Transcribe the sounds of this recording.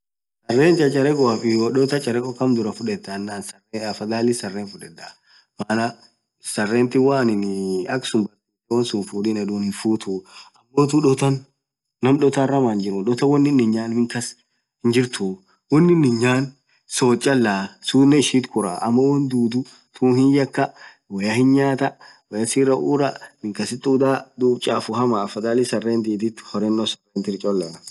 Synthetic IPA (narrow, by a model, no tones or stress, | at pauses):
sɐrːeːnt͡ʃʼɐt͡ʃʼɐɾɛkʼɔɐfɪwɐɗɔt̪ɐt͡ʃʼɐɾɛkʼɔkɐmd̪ʊɾɐfʊᶑɛt̪ːɐnːaːnsɐreɐfɐɡ̪aːlɪsɐrːeːnfʊᶑɛd̪a | maːnɐ | sɐrːeːnt̪ɪwaːnɪnɐksʊmbɐt̪ːuːt̪ːɛwɐnsʊnfuːdinɐd̪uːnɪnfuːt̪uɐmːoːt̪uᶑɔt̪ɐnː | ɐmᶑɔt̪arɐmaːnd͡ʒɪɾʊᶑɔt̪ɐwɐnːɪnːɪɲaːnmɪŋkɐs | hɪnd͡ʒɪɾt̪u | wɔnːɪnːɪɲaːn | soːt͡ʃʼːɐlːasunːɛɪʃiːt̪kʊɾa̰ʔɐmːɐwɐnd̪uːd̪ʊ | t̪ʰuːnhɪnjɐkːɐ | wɐjɐhɪnɲaːt̪ɐwɛjɐsiːɾɐʔuːɾɐmɪŋkɐsɪt̪ʼːuːd̪aːd̪uːt͡ʃʼaːfʊhɐmaːfɐd̪aːlɪsɐrːeːnd̪iːd̪ɪt̪ːhɔɾɛnːɔsɐreːnt̪ɪɾt͡ʃʼɔlːɐ